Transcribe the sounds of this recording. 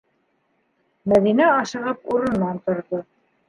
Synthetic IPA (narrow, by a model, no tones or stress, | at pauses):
mæðinæɑʃɤ̆ʁɤpuɾɤ̆nːɑnt̪ŏɾðo